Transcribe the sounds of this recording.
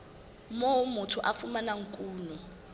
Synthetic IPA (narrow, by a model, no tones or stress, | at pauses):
moumutʰuʔafumanaŋ̩kʼuːnu